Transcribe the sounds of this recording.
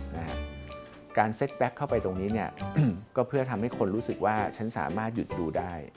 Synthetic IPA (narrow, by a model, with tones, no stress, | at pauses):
na˦a˦˥ | kaː˧nse˦˥˩t̪̚bɛ˦˥kʰːa˥˩wpa˧jt̪o˧ŋniː˦˥ni˥˩ɐkɔː˥˩pʰɯ˥˩ɐt̪ʰa˧mha˥˩jkʰo˧nɾuː˦˥sɯ˨˩k̚waː˥˩t͡ɕʰa˦˥nsa̰ː˩˦maː˥˩t̪̚ju˨˩t̪̚duː˧daː˥˩j